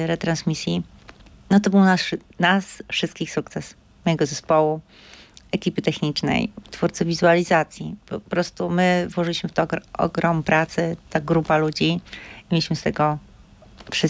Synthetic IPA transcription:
ɾɛt̪ɾansmʲisʲji | nɔt̪ɔbɘwnasnasfʂɘɨst̪̚kʲixsukt̪sɛs | mɔjɛɡɔzɛspɔwu | ɛkʲipɘt̪ɛxɲit͡ʂnɛ̰jt̪fuɾt̪sɨvʲizualʲizat̪sʲjipɔpɾɔst̪umɘvwɔʐɘlʲiɕmɘft̪ɔɔ̰ɡɾɔmpɾat̪sɘt̪aɡɾupalud͡ʑiimʲelʲiɕmɘst̪ɛɡɔ | fʂɘ

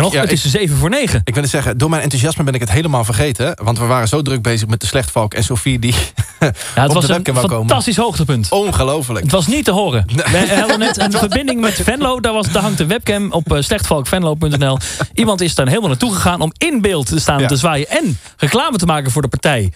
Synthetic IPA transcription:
nɔχətɪss̬ejvəvʊːɹnejχəɪkʋɪlˠɪtsɛχədʊːɹmɛjnɛntuziɑsməbɛnɪkətɦejləmaːlˠvərχejtəʋɑntʋəʋaːrənzowdrɵk̚bejzəχmɛt̚dəslɛχtfɑlˠkɛ̰nsowfidi | jaətʋɑsəɛnkɛfɑnkoːmətɑstisɦowχtəpɵntɔnχəlowfələətʋɑs̬nitːəɦoːrəɛɛənɛtənvərbɪndɪŋmɛtfɛnlowdaʋɑsdaɦɑŋdəʋɛp̚kɛmɔpslɛχtfɑlˠkfɛnlowp̬ɵntɛnɛlˠʔimɑntɪsdanɦeɪːlˠmalˠnatuχəχaːnɔmɪnbɪːlˠtəstaːntəzʋaːjəʔɛn | rəklaːmətəmaːkənvʊːɹdəpaɹtɛj

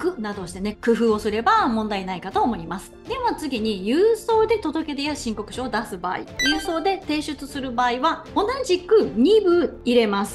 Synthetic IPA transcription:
kɯ̟nad̪o̞ɕi̥t̪e̞ne̞kɯ̟ɸɯːo̞sɨɾe̞bamõ̞nd̪ainaikat̪o̞ːmo̞imasɨ̥d̪e̞mot͡sɨɡʲiɲ̟ijɯːso̞ːd̪e̞t̪o̞d̪o̞ke̞d̪ejaɕĩŋko̞kɯ̟ɕoːd̪asɨba̰ːḭjɯ̟ːso̞ːd̪e̞t̪e̞ːɕɨt͡sɨsɨɾɯ̟baːiβa | o̞naʑikɯ̟ɲ̟ʲibɯ̟iɾe̞masɨ̥

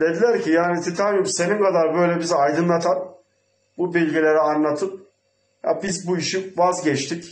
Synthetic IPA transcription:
d̪̥e̞d̪ilʲæɾcʰijaːnit̪ʰit̪ʰanjuse̞nimkʰad̪aɾbø̞jlʲɛbizajd̪ɯnlˠat̪ʰan | bubilʲɟilʲe̞ɾianlːˠat̪ʰɯp̚ | ja̰bizbuiʃinvazɟɛt͡ʃt̪ʰic

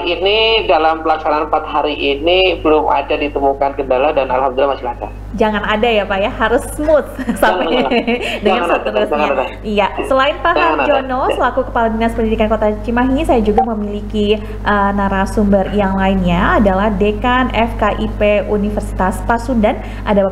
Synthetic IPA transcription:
inidalampəlaksananmpat̪̚haɾiʔinibəlʊmʔa̰dadit̪əmukankəndaladanalhamd̪ulːamasilaka̰t̪̚d͡ʒaŋanadajapajahaɾʊsmʊt̪̚sapa | dəŋanat̪əɾusaɲaaa | ijasəlaɪnpaɦaad͡ʒɔnɔsəlakukəpaladənaspəndidikankot̪at͡ʃimaɦisajad͡ʒuɡaməmiliki | ʔənaɾasumbərjaŋlaɪnɲaadalahdekanɛfkaʔipeunifərsi̥t̪aspasundan | ʔada

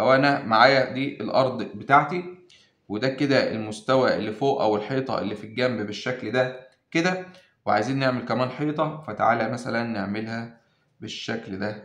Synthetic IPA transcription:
ʔæwʔænæmaʕaːjæd̪iːʔelʔɑɾˤd̪ˤbet̪aːʕt̪i | wed̪æked̪æʔḛlmost̪æwæʔelːifoːʔæ̰welħiːt̪ˤɑ̰ʔḛlːiːfilɡæmbbeʃːækld̪æ | ked̪æ | weʕajziːnːeʕmelkæmæːnħiːt̪ˤɑfæt̪aʕaːlæmæsælænːeʕmelhæ | beʃːækld̪æ

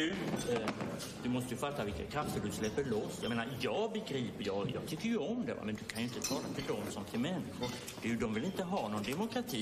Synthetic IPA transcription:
ʉ | d̪̥ɵmɔst̪əjɵfat̪ːavɪlkakʰɾaft̪ːəɖɵslɛpːəɭɔsjajmeːnaɾjɑːɡbɛɡɾiːpəɾjɑːjɑːɡt̪ʰʏkːəjɵɔmd̪ɛ̰va̰mɛnd̪ɵkʰanjɵɪnt̪ət̪ʰɑːlat̪ʰɪld̪ɔmsɔmt̪ʰɪlmɛnːɪɧʊɾ | d̪̥ʉd̪ɔmvɪlɪnt̪əɦɑːnɔnd̪ɛmʊkʰɾat̪ʰiː

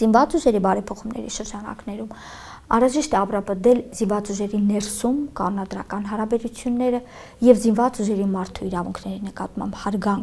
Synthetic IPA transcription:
z̥invɑt͡suʒɛɾibɑɾɛpʰɔχumnɛ̰ɾḭʃəɾd͡ʒɑnɑ̰knɛɾum | ɑ̰ɾɑʒiʃt̪ɛɑprɑpəd̪ɛlzinvɑt͡suʒɛɾinɛɾsumkɑnunɑd̪ɾɑkɑnɦɑɾɑbɛɾut͡sʰjunːɛɾə | jɛvzinvɑt͡suʒɛɾimɑɾt̪ʰuiɾɑvuŋkʰnɛɾinəkɑt̪mɑ̰mbhɑɾɡɑŋ

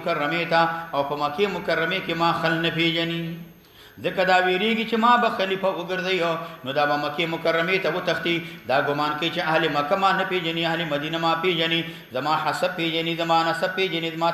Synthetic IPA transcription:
kɐɾːɐmet̪aːwpɐmɐkemʊkɐɾːɐmekemaːxɐlnɐpeːd͡ʒɐni | zɐkɐd̪aːweːɾeːɡit͡ʃemaːbɐxɐlipɐuɡɐɾzɐjonod̪aːbɐmɐkeːmʊkɐɾːɐmet̪ɐwut̪ɐxt̪id̪aːɡʊmaːnkɐit͡ʃeɐɦlemɐkɐmaːnɐpeːd͡ʒɐniɐɦlemɐd̪inɐmaːpeːd͡ʒɐni | zɐmaːħɐsɐb̚pːeːd͡ʒɐnizɐmaːnɐsɐb̚pːeːd͡ʒɐnizɐmaː

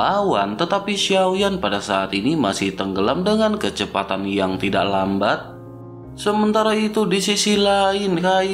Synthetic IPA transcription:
awant̪ət̪apiʃiawjanpadasaːt̪inimasɪht̪əŋɡəlamdəŋankət͡ʃəpa̰t̪anjaŋt̪ida̰ʔlambat̪̚ | səmənt̪aɾait̪udisisilaɪnkaj

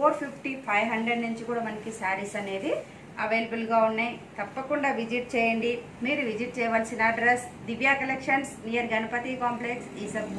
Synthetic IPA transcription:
poːɾpʰipʰʈipʰɐjɦɐɳɖɾeɖnuɲt͡ʃikuːɽaːmɐnɐkisaːɾisɐne̞ːd̪i | ɐʋeːlɐbulɡaːunːɐjt̪ɐpːɐkuɳɖaːʋid͡ʒiʈ̚t͡ʃɛːjɐɳɖi | miːɾuʋid͡ʒiʈ̚t͡ʃɛːjɐʋaːlsinɐɖɾesd̪iʋjaːkɐlekʂɐnsnijɐɾɡɐnɐpɐt̪ikaːmpleksiːsɐ

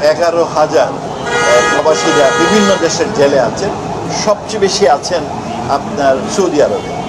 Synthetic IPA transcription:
ɛɡaɾoɦad͡ʑaɾ | ʃɔbaʃiɾabibʱinːod̪eʃeɾd͡ʑeleat͡ɕʰen | ʃɔb̚t͡ɕejbeʃiat͡ɕʰen | ap̚naɾsod̪iaɾob̪e

